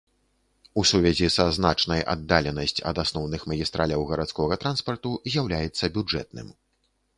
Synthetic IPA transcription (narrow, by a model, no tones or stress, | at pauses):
usuvʲɛzʲisaznat͡ʂnɐjʔa̰d̪ːalʲɛnɐsʲt͡sʲɐ̰d̪asnɔwnɨxmɐɣʲist̪ɾalʲɐwɣɐɾat̪skɔɣɐt̪ɾanspɐrt̪uzʲjawlʲajɛt̪sːɐbʲud͡ʐɛ̰t̪̚nɨ̰m